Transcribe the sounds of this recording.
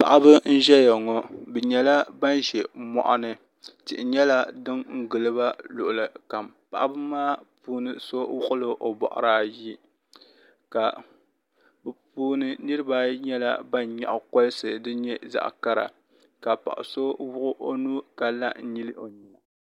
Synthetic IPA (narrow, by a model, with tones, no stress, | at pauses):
pa̰˨ʔa˦bɨ˦n̩˦ʒɛ˦ja˨ŋɔ˦bɛ˨ɲɛ˨la˦ba˦nʒɛ˨mɔ̰˨ʔa̰˦nɨ˨ | tɪ̰˨ʔɪ˨ɲɛ˦la˦dɨ˦ŋŋ̩˦ɡɨ˨lɨ˦ba˦lʊ˨ʔʊ˨lɨ˨ka˨mpa̰˨ʔa˦bɨ˦maː˦puː˦nɨ˨so˦wʊ˦ʔʊ˦lɨ˦ʔo˨bɔ̰˨ʔʊ̰˨ɾaː˦ji˦ | ka˨ | bɨ˨puː˦nɨ˦nɨ˦ɾɨ˦ba˦ɲɛ˦la˦ba˦nɲa̰˨ʔʊ˨kɔ˦sɨ˨dɨ˦ɲɛ˦za̰˨ʔka˦ɾa̰˨ | ka˨pa̰˨ʔso˦wʊ˦ʔʊ˦ʔo˦nu˦ka˨la˦n̩˦ɲi˦lɨ˦ʔo˨ɲɛ˨